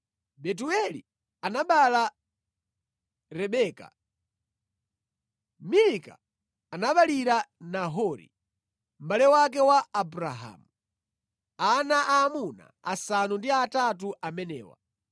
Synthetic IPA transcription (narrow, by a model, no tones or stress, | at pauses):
ɓɛt̬uɛli | anaɓala | ɾɛɓɛːka̰ | milika̰ː | naɓaliɾanaɦɔɾḭ | m̩balɛwak̬ɛwaːbuɾaɦa̰ːmu | anaʔaːmuna̰a̰sanundiatat̬uʔamɛnɛ̰ːwa̰